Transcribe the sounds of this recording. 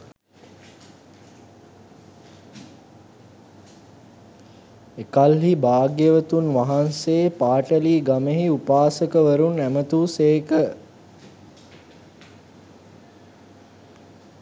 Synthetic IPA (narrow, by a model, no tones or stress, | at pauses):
ekalɦibaːɡjəʋət̪unʋaɦanseːpaːʈəliːɡameɦiupaːsəkəʋəɾunæmət̪uːseːkə